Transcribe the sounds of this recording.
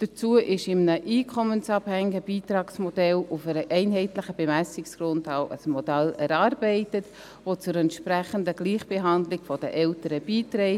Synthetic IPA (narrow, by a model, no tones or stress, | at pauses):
d̥ət͡suəʔɪʃɪmnəʔiːkʰɔmənt͡sɑphɛŋɪɡəb̥iːtɾɑːksmɔdɛlʊfɛɾəʔɛɪnɦɛɪtlɪχəb̥emæsɪksɡ̥ɾʊntaʊʔəsmɔd̥ælɛ̰ɾɑːɾb̥ɛɪtət | vot͡sʊɾɛntʃpɾæχəndəɡ̥liːχb̥eɦɑndlɪɡfɔd̥ə̰ʔɛltəɾəb̥iːtɾɛɪ